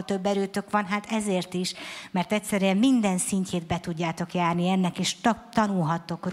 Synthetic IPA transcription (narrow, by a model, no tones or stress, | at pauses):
t̪ø̞bːɛɾøːt̪ø̞kʋɒnɦaːt̪ɛzeːrt̪iʃmɛrt̪ɛcʲsɛɾyɛmmind̪ɛnsiɲcʰeːd̪bɛt̪uɟːaːt̪o̞kjaːrniɛnːɛkeːʃt̪ɒnulɦɒt̪ːo̞kr